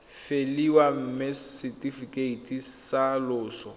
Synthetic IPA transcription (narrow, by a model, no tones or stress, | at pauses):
feliwam̩mɪsitifikʼeitʰʼisalʊːsɔ